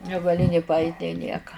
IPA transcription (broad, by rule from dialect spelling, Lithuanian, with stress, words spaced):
nʲɛɡɐˈlʲɪ nʲeː pɐˈɐɪtʲ nʲeː ˈnʲiɛkɐ